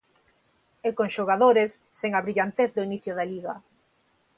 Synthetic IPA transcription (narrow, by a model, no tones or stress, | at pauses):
ekoŋʃoɣaðoɾesːeŋaβɾiʎant̪eθd̪oiniθjoðaliɣa